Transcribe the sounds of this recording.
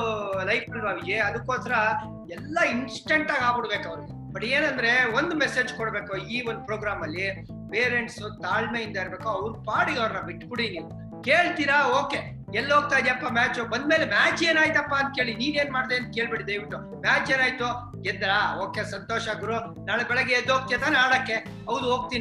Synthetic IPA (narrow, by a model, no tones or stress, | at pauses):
lɐjpɐlbaʋid͡ʒiɐd̪ɐkːoːsɐɾɐ | ɛlːɐinsʈeɳʈaːɡaːbuɽbeːkɐʋɐɾɡe | bɐʈːeːnɐnd̪ɾe̞o̞nd̪umɛse̞ːd͡ʒkoɽbe̞ːkuiːond̪upɾoːɡɾaːmɐlːi | peːɾeɳʈsut̪aːɭmeːind̪ɐiɾbe̞ːkuɐʋɾpaːɽiɡɐʋɾnɐbiʈːkuɽiniːʋu | keːɭt̪iːɾɐoːke̞ | ɛlːɦoːɡ̚t̪aːjd̪iɐpːɐmaːt͡ʃubɐnd̪meːlemaːt͡ʃeːnaːjt̪ɐpːaɐnt̪̚ke̞ːɭiniːne̞ːnmaːɽd̪eːɐnt̪̚keːɭbiʈid̪ɐjʋiʈːu | maːt͡ʃeːnaːjt̪u | ɡɛd̪ɾaoːkesɐnt̪oːʃɐaːɡuɾu | naːɭbɛɭɛɡːeed̪ːɦoɡ̚t̪ijat̪aːneaːɽɐkːe | ɦɐʋd̪uɦoːɡ̚t̪ini